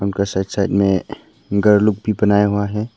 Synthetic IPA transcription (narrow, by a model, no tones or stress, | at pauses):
ʊnkasaːɪdsaːɪd̪mẽ | ɡəɾlʊk̚bʱibɐnaːjaɦuaɦɛː